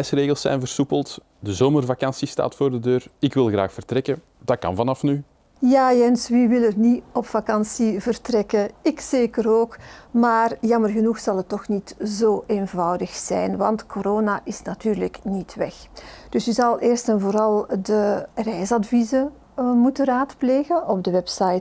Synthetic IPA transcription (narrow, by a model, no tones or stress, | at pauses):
ɛjsreːɣəlˠsɛ̰jnvərsupəlˠt | dəzoːmərvakɑnsista̰ːtfoːrdədøːrɪkʋɪlˠɣra̰ːxfərtrɛkə | d̥ɑkɑ̰nvɑnɑfny | jaːjɛnsʋiʋɪlətniɔpfakɑnsivərtrɛkəɪkseːkəɾoːkmaːrjɑmərɣənuxsɑlˠətːɔxnitzoːʔeːnvɑwdəxsɛ̰jnʋɑntkʰoɾoːnaʔɪsnatyːrləknitʋɛxd̥ʏsyzɑlˠʔeːrstɛnvoːɾɑlˠdərɛjsɑdvizə | mutəraːtpleːɣəɔb̚dəʋɛpsajt